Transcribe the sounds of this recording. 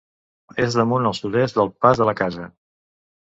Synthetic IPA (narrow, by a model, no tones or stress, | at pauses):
ezðəmunəlˠsuðɛst̪d̪əlˠpazðələkazə